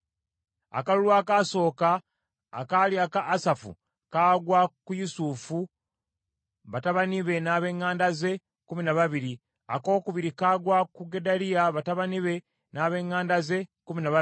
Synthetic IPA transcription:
a̰kalulwaːkaso̞ːka̰ː | kaljakaʔːsafṵ | kaːɡwakujusufu | βataβaniβe̞naβe̞ːŋːaːndaze̞ | kuminaβaβiɾi | a̰ko̞ːkuβiɾikaːɡwakuɡe̞daliaβataβaniβe̞ | naːβe̞ːŋːaːndaze̞kuminaa

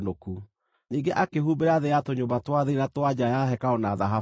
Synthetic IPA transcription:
noku | niːŋɡeʔakeɦubeɾaðejatoɲoːbatwaðeeɾatwad͡ʑajaɦɛkaɔnaðaɦa

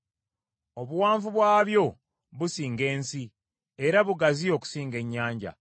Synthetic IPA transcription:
o̞βuwaːɱvuβwaːβjo̞ | βusiːŋɡe̞ːnsi | e̞ɾaβuɡazio̞ku̥siːŋɡe̞ɲːaːɲɟa̰

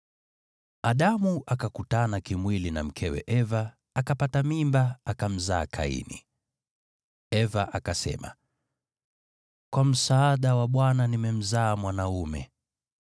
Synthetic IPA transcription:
aɗamuʔakakutanakimwilina̰m̩kʰɛwɛ̰ʔɛvaː | kapatamimbaakam̩zaːkʰa̰ḭnḭ | ɛvaʔakasɛ̰ma̰ | kwam̩saaɗawaɓwananimɛm̩zaːmwanaumɛ̰

